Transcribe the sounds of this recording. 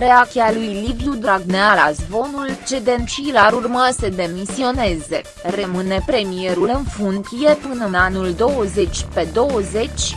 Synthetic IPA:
ɾeat͡ʃialujlivjud̪ɾaɡnealazvo̞nult͡ʃed̪enʃilaɾurməsəd̪e̞misio̞ne̞ze̞ | remɨne̞pɾe̞mie̞ɾulɨnfunk̪ije̞pɨnənanuld̪o̞wəze̞t͡ʃʲpe̞d̪o̞wəze̞t͡ʃʲ

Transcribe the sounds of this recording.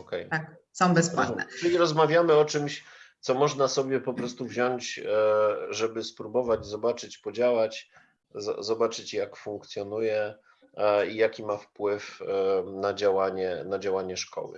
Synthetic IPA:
ɔkɛjt̪ak̚ | sɔ̃w̃bɛspwa̰ɾnɛ̰t͡ʂɘlʲiɾɔzmavʲjamɘɔt͡ʂɘmɕt̪sɔmɔʐnasɔbʲjɛpɔpɾɔst̪uvʑɔɲt͡ɕ | ʐɛbɘspɾubɔvad͡ʑzɔbat͡ʂɘt͡ɕpɔd͡ʑawat͡ɕ | zɔ̰zɔbat͡ʂɘt͡ɕjakfuŋk̚t̪sʲjɔnujɛ | ijakʲimafpwɘfnad͡ʑawaɲɛnad͡ʑawaɲɛʂkɔ̰wɘ̰

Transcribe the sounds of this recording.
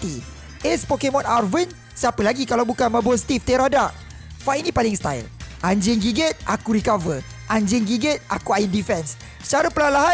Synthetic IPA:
t̪i | ʔɛspɔkemɔ̃narvən | səapəlaɡikalawbukanmãbost̪ift̪eɾadaʔ | faʔinĩpalɪŋst̪ajlʔaɲd͡ʒɪŋɡiɡət̪̚ʔa̰kuɾikavə | ʔaɲd͡ʒɪŋɡiɡət̪̚akuajəndifɛns | t͡ʃaɾapəlalaɦa

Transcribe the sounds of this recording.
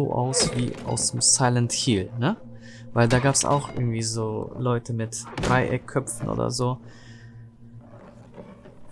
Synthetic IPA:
o̰ːʔa̰ʊsv̥iːʔa̰ʊsd̥eːmsaɪlənthiːlnə | vaɪldaːɡaːpsa̰ʊxʔɪ̰ɡŋ̩tv̥iːzoːlɔʏtʰəmɪtd̥ʁaɪʔɛ̰kʰːœpfn̩ʔo̰ːdɐ̰zoː

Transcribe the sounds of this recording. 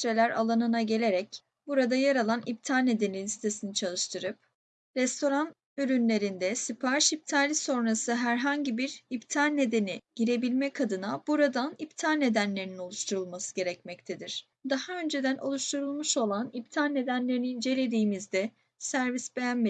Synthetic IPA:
ɾelʲæɾa̰lˠanɯnaɟe̞lʲe̞ɾɛc | buɾad̪ajaɾalˠanip̚t̪ʰalʲne̞d̪e̞ninʲist̪ʰe̞sinit͡ʃʰalˠɯʃt̪ʰɯɾɯp̚ | ɾɛst̪ʰo̞ɾan | yɾynlʲe̞ɾind̪ɛsipʰaɾʃip̚t̪ʰaːlʲiso̞nɾasɯɦæɾɦaɲɟibiɾipt̪ʰalʲne̞d̪e̞niɟ̥iɾe̞bilʲmɛkʰad̪ɯnab̥uɾad̪anipt̪ʰalʲne̞d̪ænlʲe̞ɾinino̞lˠuʃt̪ʰuɾulˠmasɯ̥ɟe̞ɾɛcmɛct̪ʰed̪iɾ̥ | d̪ahaø̞nd͡ʒe̞d̪ænʔo̞̰lˠuʃt̪ʰuɾulˠmuʃo̞lˠanip̚t̪ʰalʲne̞d̪ænlʲe̞ɾiniind͡ʒe̞lʲe̞d̪iːmizd̪ɛ | sæɾvisbe̞jænme

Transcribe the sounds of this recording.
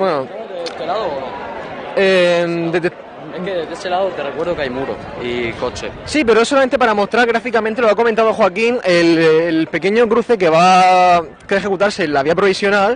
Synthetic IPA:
bwenoet̪elaðono | ed̪et̪e | ekeðed̪eselaðot̪erekweɾðokajmuɾo̰ | iko̞t͡ʃḛsip̬e̞ɾoesolamẽnt̪e̞paɾamo̞st̪ɾaɾɣɾafikamẽnt̪̬e̞loako̞mẽnt̪aðoxwakiŋelːlpe̞ke̞ɲo̞kɾuθe̞k̬eβa | keexe̞kut̪aɾse̞lːaβiapɾo̞βisjo̞nal

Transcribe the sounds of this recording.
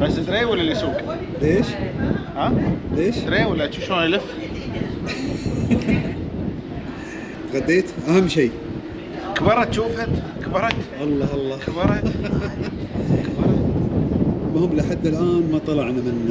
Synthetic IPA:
basɪd̪ɾeːwɪlːalisuːk | beːʃhaleːʃɾeːwɪlːat̪ʃuʃoːnalɪf | t̪ɣad̪ːeːt̪ʔahamːʃiː | kbɑɾˤɑt̪ʃuːfat̪kbɑɾˤɑkʔɑlˤːɑʔɑlˤːɑːkbɑɾˤɑ | kbɑɾˤɑ | lmʊhʊmːlʔħad̪ːalʔaːnmɑt̪ˤɑlɑʕnamɪnːa

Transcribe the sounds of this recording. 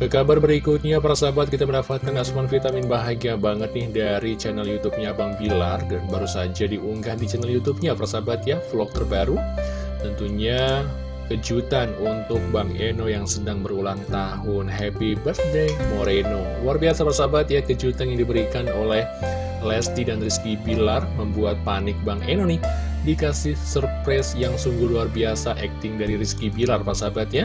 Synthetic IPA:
kəkabarbəɾikut̪̚ɲapaɾasabat̪̚kit̪aməndapat̪̚kanasumanfit̪amɪnbaɦaɡiabaŋət̪̚nɪhdaɾit͡ʃɛnɛljut̪up̚ɲabaŋbilardanbaɾusad͡ʒadiʔuŋɡahdit͡ʃɛnɛljut̪up̚ɲapaɾasabat̪jaflɔk̚t̪ərbaɾu | t̪ənt̪uɲa | kəd͡ʒut̪anunt̪ʊk̚baŋenojaŋsədaŋbəɾulaŋt̪aɦʊnɦɛpibərt̚dɛmoɾenoluarbiasapərsabat̪jakəd͡ʒut̪anjaŋdibəɾikanolɛh | lɛst̪idanriskibilarməmbuat̪̚panɪk̚baŋenoni | dikasɪhsərpɾɛsjaŋsuŋɡʊhluarbiasaʔɛk̚t̪ɪŋdaɾiɾiskibilarpaasabat̪̚ɲa

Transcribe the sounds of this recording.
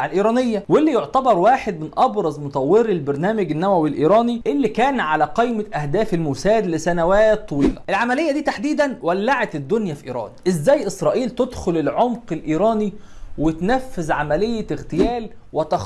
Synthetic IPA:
alʔiːɾˤɑːnejːæwelːijoʕt̪ɑbɑɾˤwaːħed̪̚mɪnʔɑbɾˤɑzˤmot̪ˤɑwːeɾilbeɾnæːmæɡɪnːæwæwilʔiːɾˤɑːniʔelːikæːnʕalæqejmæʔæhd̪æːfelmʊsæːd̪lɪsænæwæːt̪ˤːɑwiːlæ̰ʔelʕamælejːæd̪iːt̪aħd̪iːd̪ænwælːaʕet̪d̪ːonjæfiʔiːɾˤɑ̰ːnʔɪzːæːjʔɪsɾˤɑːʔiːlt̪ed̪xʊlelʕomqelʔiːɾˤɑːniwet̪næfːɪzʕamælejːæɣt̪ɪjæːl | wɪt̪ɑx

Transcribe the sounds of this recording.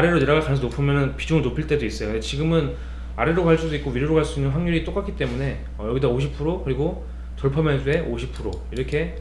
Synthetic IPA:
aɾe̞ɾojeɾaɡakanɯnsʰʌnopʰɯmjʌnɯnpid͡ʑuŋɯɭnopʰiɭt͈e̞dois͈ʌjokɯndet͡ɕiɡɯmɯn | a̰ɾe̞ɾokaɭs͈udoik͈owiɾjoɾokaɭs͈uinːɯnɸwaŋɲuɾit͈ok͈ak͈ʰit͈e̞mune̞ | ʌjʌɡidooɕ̬ʰipʰuɾokɯɾiɡo | tuɭpʰʌmjʌns̬ʰue̞ʔoɕʰipʰuɾo | iɾʌkʰe̞

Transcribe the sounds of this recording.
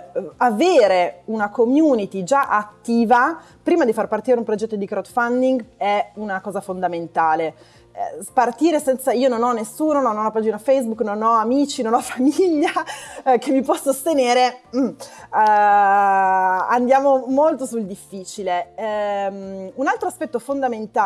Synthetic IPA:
aveːɾeunakomjuːnit̪id͡ʒaʔat̪ːiːva | pɾiːmad̪ifarpart̪iːɾeumpɾod͡ʒɛt̪ːod̪ikɾad̪fand̪iŋɡɛunakɔːzafond̪ament̪aːlḛ | part̪iːɾesɛnt̪saiːononɔnːesːuːnononɔapad͡ʒinafɛjs̬bukːnonɔamiːt͡ʃinonɔfamiʎːakevipwɔsːost̪eneːɾem̩ | and̪jaːmomolt̪osuld̪ifːiːt͡ʃile | munalt̪ɾoaspɛt̪ːofond̪ament̪a

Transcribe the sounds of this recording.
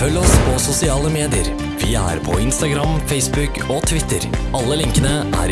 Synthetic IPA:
fœlːəɔspʰɔsʊsɪɑːləmeːd̪ɪəɾ | ʋɪæ̰ɾpʰɔ̰ɪnst̪ɑɡɾɑmfɛɪsbʉk | ot̪ʰʋɪt̪ːəɾɑlːəlɪŋkənəʔæ̰ɾ

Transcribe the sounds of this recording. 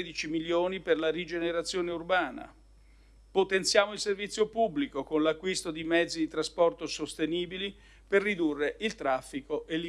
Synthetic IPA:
d̪it͡ʃimiljoːniperlaɾid͡ʒeneɾat̪sːjoːneurbaːna̰ | pot̪ensjaːmoilservit̪sːjopubːlikokonlakːwist̪od̪imɛd̪zːid̪it̪ɾaspɔrt̪osost̪eniːbili | perːid̪urːeʔilt̪ɾafːikoʔelːi

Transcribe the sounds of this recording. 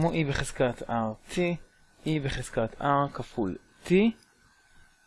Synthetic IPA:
moʔibeχez̥kat̪ʰaʁtʰi | ʔibeχez̥kat̪ʰaʁkaful | ti

